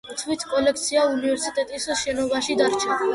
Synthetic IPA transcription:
t̪ʰwit̪ʰkʼɔlɛkʰt̪sʰiaunivɛɾsit̪ʼɛt̪ʼisʃɛnɔbaʃid̪aɾt͡ʃʰa

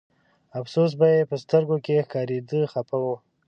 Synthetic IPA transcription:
afsos̬bajepəst̪əɾɡokexkɑɾed̪əxapawu

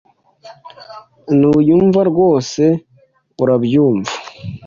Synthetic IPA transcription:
nujuːɱvaɾɡo̞ːse̞ | uɾabjuːɱvḁ

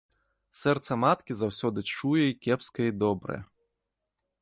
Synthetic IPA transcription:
sɛrt̪sɐmat̪kʲizawsʲɔd̪ɨt͡ʂujɛikʲɛpskɐjid̪ɔbɾɐ̰jɛ

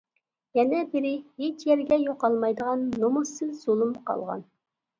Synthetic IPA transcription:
jɛnɛbɪɾɪhet͡ʃjɛɾɡʲɛjoqɑlˠmɑjd̪əʁɑnːomusɨzz̥olˠumqʰɑ̰lˠʁɑ̰n

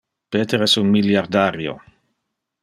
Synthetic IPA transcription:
peːt̪eɾɛsunmiljaɾd̪aɾjo̰

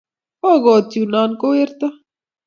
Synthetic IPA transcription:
oːɡoːt̪juːnaːnkoeɾt̪a

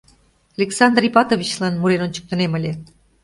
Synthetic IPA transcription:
ɑlʲeksɑnd̪ripɑt̪ovit͡ɕlɑnmuɾenonʲt͡ɕə̥k̚t̪ə̆neməlʲe

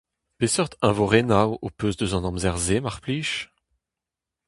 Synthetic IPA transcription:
pesœʁt̪ɛ̃voʁenawopøzd̪øzɑ̃nɑ̃mzɛʁzemaʁpliːʃ

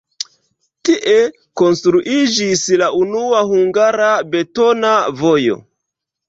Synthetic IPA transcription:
tiʔe | ko̞nstɾuʔid͡ʒislaʔunuahuŋɡaɾabe̞to̞navo̞jo̞̰

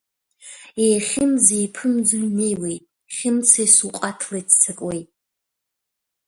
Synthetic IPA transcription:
ejχʲɪmzejpʰɨmd͡zuɥme̞jwejtʼ | χʲɪmt͡sʰajsuqʼatʰlejtʰt͡sʰakʼwejtʼ

